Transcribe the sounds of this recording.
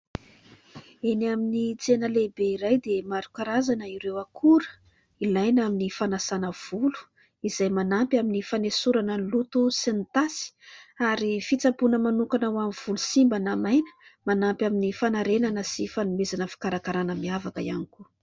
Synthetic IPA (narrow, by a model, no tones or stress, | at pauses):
enaminit͡senəlebeiɾajd̪emaɾukaɾazanəiɾewakʰuɾə̥ | ilajnaminifanasanəv̥ulu̥ | izajmanampʲaminifanesuɾanənlut̪usinit̪asi̥aɾifit͡sapunəmanukanawamiv̥ulusimbanamajnə̥manampʲaminifanaɾenanəsifanumezanəfi̥kaɾakaɾanəmiavakəjaniku